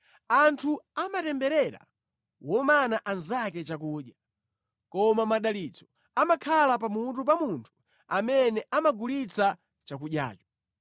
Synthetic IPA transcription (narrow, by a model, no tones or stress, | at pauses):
antʰuamatɛmbɛɾɛɾa̰ | wɔmanaʔanzakɛt͡ʃak̬uːɗja | kɔmamaɗalit͡sɔ | amakʰalapamut̬up̬amuntʰu̥ | amɛnɛʔamaɡulit͡sa | t͡ʃak̬uɗja̰ːt͡ʃɔ̥